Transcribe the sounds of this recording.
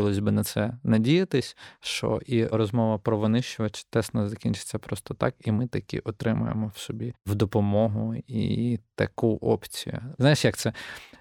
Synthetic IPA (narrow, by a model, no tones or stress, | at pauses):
ɪlˠɔsʲbɪnɐt̪sɛnɐdʲijɐt̪ɪsʲʃt͡ʃɔ̰ʔiɾɔzmɔʋɐpɾɔʋɔnɪʃt͡ʃʊʋɐt͡ʃɪ̥t̪ɛsnɐzɐkʲinʲt͡ʃɪ̥t͡sʲːɐpɾɔst̪ɔt̪ɑkimɪt̪ɐkʲḭʔɔt̪ɾɪmʊ̰jḛmɔwsɔbʲiwd̪ɔpɔmɔɦʊḭt̪ɐ̰kuʔɔ̰pt͡sʲḭjʊ̰znajɪʃjɐk̚t̪sɛ